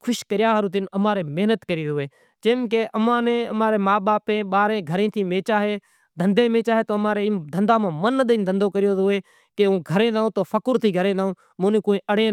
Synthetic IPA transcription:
kʰʊʃkəɾɪjaːɦəɾːt̪ɪnəmãːɾeːmeɦnət̪kəɾiːʊʋeː | t͡ʃẽːmkeːʔəmãːneːəmaːɾeːmaːɓaːpẽːɓaːɾẽːɡʱəɾẽːt̪ʰiːmeːt͡ʃaːɦeː | d̪ʱə̃nd̪ẽːmẽːt͡ʃaːɦeːt̪oːmãːɾeːd̪ʱənd̪aːmãːmənɗ̪ĩːnd̪ʱənd̪oːkəɾɪjoːʊʋeː | keũːɡʱəɾẽːnaõːt̪oːfəkʊɾt̪ʰiːɡʱəɾẽːnaːõː | mõːnẽːkoːĩːʔəɽ̤eː

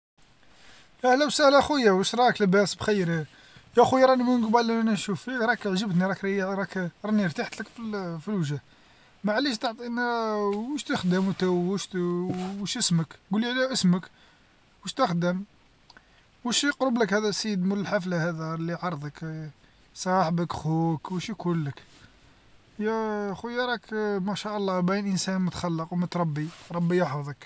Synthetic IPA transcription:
ʔæhlæwsəhlæxəjːæwəʃɾˤɑkləbæsbxəjɾi | jæxujɾˤɑnimuɡbɑlːiænæʃufid̪ɾˤɑkʕʒəbt̪niɾˤɑkɾijɾˤɑkɾˤɑniɾt̪aħt̪ləkfifilwʒæh | maʕliʃt̪əʕt̪ˤinæwəʃt̪əxd̪əmwt̪æwwəʃ | wəʃəsməkɡulːiʕliʔəsmək | wəʃt̪əxd̪əm | wəʃjəqɾəbləkhæd̪æsiəd̪mələlħaflahæd̪ælːiʕɑɾˤd̪ˤək | sˤɑħbəkxukwəʃjkulːək | jæxujɾˤɑkmæʃæʔəlˤːɑbænʔənsænmʊt̪xɑlːəqwmət̪ɾˤɑbːiɾˤɑbːijəħfd̪ˤək

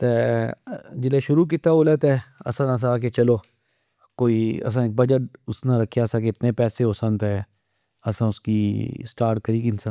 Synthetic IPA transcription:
t̪eː | d͡ʒɪleːʃʊɾuːk̬ɪt̪aːolet̪ɛːə̰sãːnəs̬aaːk̬et͡ʃəloː | koːiːə̰s̬ãːeːk̚bəd͡ʒəʈ̚ʊsnãɾəkʰːjaːsãːkeɪt̪neːpɛːseːɦoːsə̃nt̪ɦɛː | əsãːʊskiːsʈaːɾʈ̚kəɾiːkɪnsã

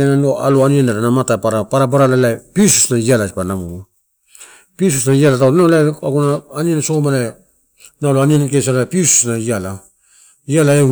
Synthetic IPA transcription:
enanoa̰loanianaɾanamatapaɾapaɾabaɾalalajpiusu̥snaialasipanamuu | pis̬usnaialatawnalajaɡunaːnienasoomala | naloanianakesalajpiusu̥snaiala | ialae

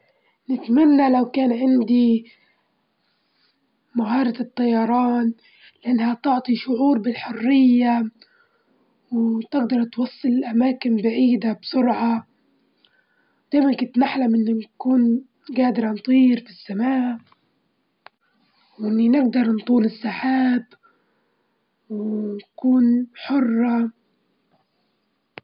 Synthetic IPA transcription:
nɪt̪manːalawkaːnʕɪnd̪i | maɦɑːɾˤɑɨt̪ˤːɑjɑɾˤɑːn | lɪʔanːhat̪ʊʕt̪ˤiʃʊʕuːɾbɪlħʊrːɪjːa | wt̪ɪɡd̪ɑɾˤt̪wɑsˤːɨlɪlʔamaːkɪnbaʕiːd̪absʊɾʕɑ | d̪̥aːjmankʊnt̪naħlamʔɪnːinkuːn | ɡaːd̪ɪɾɑnt̪ˤiːɾfisːamaːʔ | wʔɪnːinɪɡ̚d̪ɑɾˤnt̪ˤuːlɪsːaħaːb | wnkuːnħʊrˤːɑ

